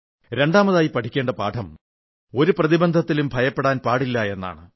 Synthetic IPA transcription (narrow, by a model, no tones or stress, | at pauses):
ɾe̞ɳɖaːmɐðaːjipɐʈʰikʲːe̞ːɳɖɐpa̰ːʈʰɐm | o̞ɾuprɐðibɐnd̪ʱɐt̪ːilumbʱɐjɐpːeɽaːnpaːɽilːɐe̞nːa̰ːɳɨ